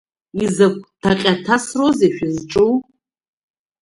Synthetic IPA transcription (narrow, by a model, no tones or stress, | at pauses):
izakʷʰʼtʰaqʲʼatʰasrozeʃᶣizʈ͡ʂʼuw